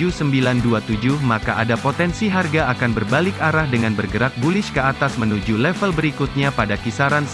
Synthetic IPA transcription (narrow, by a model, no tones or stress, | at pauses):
usəmbilanduat̪ud͡ʒuhmakaʔadapot̪ɛnsiɦarɡaːkanbərbalɪkaɾahdəŋanbərɡəɾak̚bulɪʃkəat̪asmənud͡ʒulɛfəlbəɾikut̪̚ɲapadakisaɾan